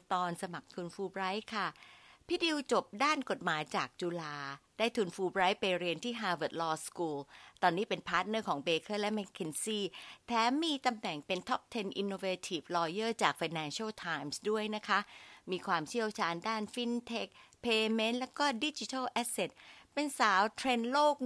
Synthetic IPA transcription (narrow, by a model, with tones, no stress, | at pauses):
t̪ɔː˧nsa˧ma˨˩k̚t̪ʰu˧nfuː˧bɾa˦˥jkʰa˥˩pʰiː˦˥˩di˧wt͡ɕo˨˩p̚daː˥˩nko˨˩t̪̚maː˩˦jt͡ɕaː˨˩k̚t͡ɕuː˧laː˧daː˥˩jt̪ʰuː˧nfuː˧bɾaː˦˥jpa˧jɾi˧ənt̪ʰiː˥˩ɦaː˧wəː˨˩t̪̚lɔː˧skuː˧lt̪ɔː˧nːiː˦˥pe˧npʰaː˦˥t̪̚nɤː˥˩kʰɔː˩˦ŋbeː˧kʰɤː˥˩lɛ˦˥mɛ˧˥kʰe˧nsiː˥˩p̪ʰɛː˦˥miː˧t̪a˧mnɛ˨˩ŋpe˧nt̪ʰɔ˦˥p̚t̪ʰe˧nʔi˧nːoː˧eː˧t̪ʰi˨˩flɔː˧jɤː˥˩t͡ɕaː˨˩k̚fa˧jnɛː˧nsa˥˩wt̪ʰaː˧jmsdu˥˩əjna˦˥kʰa˦˥ʔmiː˧kʰwaː˧mt͡ɕʰi˥˩əwt͡ɕʰaː˧ndaː˥˩nfi˦˥nt̪ʰe˦˥k̚pʰeː˧me˦˥nlɛː˦˥wkɔː˥˩di˦˥t͡ɕi˧˦t̪ʰa˥˩lʔɛː˦˥se˨˩t̪̚pe˧nsaː˨˩˦wt̪ʰɾe˧nloː˥˩k̚